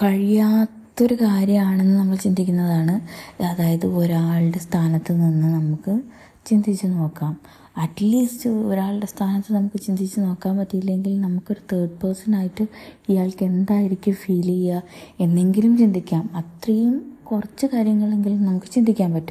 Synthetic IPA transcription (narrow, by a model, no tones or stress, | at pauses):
kɐɻijaːt̪ːo̞ɾukaːɾjɐmaːɳe̞nːɨnɐmːɐɭt͡ɕind̪ikʲːunːɐðaːɳɨɐðaːjɐðɨoɾaːɭɨɽe̞st̪ʰaːnɐt̪ːɨninːɨnɐmukːɨ | t͡ɕind̪it͡ɕːuno̞ːkːaːm | ɐʈliːstɨo̞ɾaːɭɨɽe̞st̪ʰaːnɐt̪ːɨnɐmukːɨt͡ɕind̪it͡ɕːuno̞ːkːaːmpɐʈːijilːe̞ŋɡilnɐmukːo̞ɾut̪eːɖ̚pɐrsɐnaːjiʈːɨijaːɭke̞nd̪aːjiɾikʲːumfiːlijae̞nːe̞ŋɡilumt͡ɕind̪ʱikʲːaːmɐt̪rɐjumkurɐt͡ɕːɨkaːɾjɐŋːɐɭe̞ŋɡilumnɐmukːɨt͡ɕind̪ʱikʲːaːnpɐʈːu